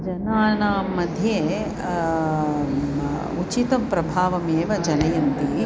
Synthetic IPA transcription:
d͡ʒɐnaːnaːmɐd̪ʱje | ut͡ʃit̪ɐmpɾɐbʱaːʋɐmeːʋɐd͡ʒɐnɐjɐnt̪i

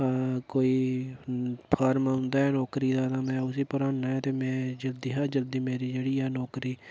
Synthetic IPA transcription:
koːiː | pʰaːɾmãːʊ̃nd̪aːɦɛːnɔːkɾiːd̪aːnaːmɛ̃ːʊsiːpʊɾaːnːaːɦɛːt̪eːmɛ̃ːd͡ʒəld̪iːɦaːd͡ʒəld̪iːmeːɾiːd͡ʒeːɽiːɛːnɔːkɾiː

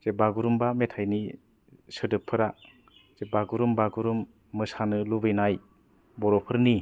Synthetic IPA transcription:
z̥ebaɡuɾumbametʰajni | sɯdɯpʰːɯɾa | z̥ebaɡuɾumbaɡuɾumː | ɯsanɯlubɯjnaj | bɔɾopʰɯɾni

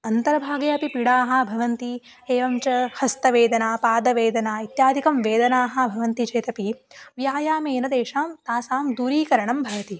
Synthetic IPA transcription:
ɐnt̪ɐɾɐbʱaːɡɐjɐpipiɽaːɦɐ̆bʱɐʋɐnt̪i | eːʋɐmt͡ʃɐhɐst̪ɐʋeːd̪ɐnaːpaːd̪ɐʋeːd̪ɐnaːit̪jaːd̪ʱikɐmʋeːd̪ɐnaːɦɐ̆bʱɐʋɐnt̪it͡ʃeːt̪ɐpi | ʋjaːjaːmeːnɐd̪eːʃaːmt̪aːsaːmd̪uːɾiːkɐɾɐɳɐmbʱɐʋɐt̪i

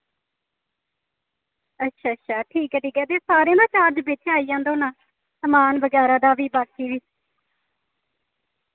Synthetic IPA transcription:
ətːʃʰaːtːʃʰaːʈʰiːkɛːʈiːkɛːd̪eːsaːɾẽːnãːt͡ʃaːɾd͡ʒbeːt͡ʃːaːijãːnd̪oːnãː | səmaːnbəɡɛːɾãːd̪aːʋiːbaːkiːʋiː

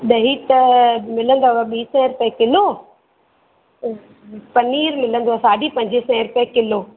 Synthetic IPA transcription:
ɗɐɦit̪ɐmɪlə̃nd̪oaʋɐɓiːsɛ̃ɾʊpekɪloː | pɐniːɾmɪlə̃nd̪oasaːɖʱipɐ̃ɲd͡ʑesɛ̃ɾʊpekɪloː

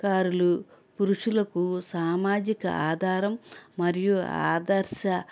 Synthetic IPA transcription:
aːɾulupuɾuʂulɐkusaːmaːd͡ʒikɐ̰ʔaːd̪ʱaːɾɐmːɐɾijuaa̰ːd̪ɐɾʃɐ

